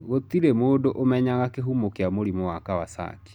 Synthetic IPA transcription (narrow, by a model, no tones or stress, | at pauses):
ɣot̪iɾemoːdoʔomɛɲaɣakeɦumokeamoɾimɔwakawasa̰ːki̥